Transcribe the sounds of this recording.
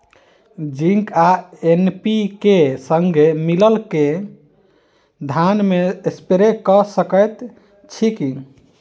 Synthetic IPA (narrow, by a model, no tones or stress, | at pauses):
d͡ʒĩŋkaenpikesəŋɡʱemiləlke | d̪ʱanmeespeɾekɔsəkəjt̪ | t͡ʃʰiki